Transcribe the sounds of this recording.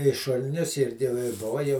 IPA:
ɪ ʃʊlʲˈnʲʊs ɪ jɛʊ ˈɪ ˈboːʋɐ ˈjɛʊ

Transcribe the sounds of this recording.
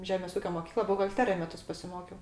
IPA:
ˈʒʲæːmʲeːs ˈuːkʲoː moːˈkʲiːklˠɐ bʊɣɐlʲˈtʲæːrʲɪjɛ ˈmʲæːtʊs pɐsʲɪˈmoːkʲɛʊ

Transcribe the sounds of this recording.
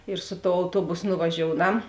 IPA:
ɪr sʊ toːʊ ɐʊˈtuɔbʊs nʊʋɐˈʒʲoːʊˌnɐm

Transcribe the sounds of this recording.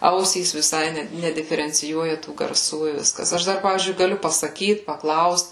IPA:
ˈɐʊsʲiːs ʋʲɪˈsɐɪ ˈnʲɛ nʲɛdʲɪfʲɛrʲɛnʲt͡sʲɪˈjuɔjɛ tuː ɡɐrˈsuː ɪ ˈʋʲɪskɐs ˈɐʃ dɐr ˈpɑːʋʲiːzʲd͡ʒʲʊɪ ɡɐˈlʲʊ pɐsɐˈkʲiːt pɐˈklˠɐʊst

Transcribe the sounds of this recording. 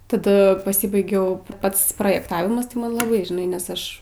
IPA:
tɐˈdɐ pɐˈsʲɪbɐɪɡʲɛʊ ˈpɐts proːjɛkˈtɑːʋʲɪmɐs tɐɪ ˈmɐn lˠɐˈbɐɪ ʒʲɪˈnɐɪ nʲɛs ˈɐʃ

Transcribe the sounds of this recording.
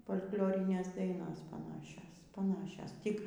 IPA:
foːlʲkʲˈlʲoːrʲɪnʲeːs ˈdɐɪnoːs pɐˈnɑːʃʲoːs pɐˈnɑːʃʲoːs ˈtʲɪk

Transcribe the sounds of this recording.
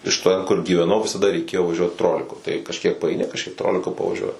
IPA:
ɪʃ ˈtʲɛn kʊr ɡʲiːʋʲɛˈnɐʊ ʋʲɪsɐˈdɐ rʲɛɪˈkʲeːjoː ʋɐˈʒʲuɔt ˈtroːlʲɪkʊ tɐɪ kɐʃʲˈkʲiɛk pɐɐɪˈnʲɪ kɐʃʲˈkʲiɛk ˈtroːlʲɪkʊ pɐʋɐˈʒʲuɔjɪ

